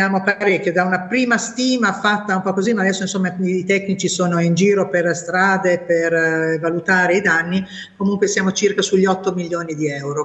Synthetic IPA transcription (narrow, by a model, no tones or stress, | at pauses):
jaːmopaɾekʲːjod̪aunapɾiːmast̪iːmafat̪ːaumpɔkːozimaːd̪ɛsːoinsomːaːt̪ɛknit͡ʃisoːnoind͡ʒiːɾoperst̪ɾaːd̪epervalut̪aːɾeid̪anːi | komuŋkwesjaːmot͡ʃirkasuʎːiɔt̪ːomiljoːnid̪iɛwɾo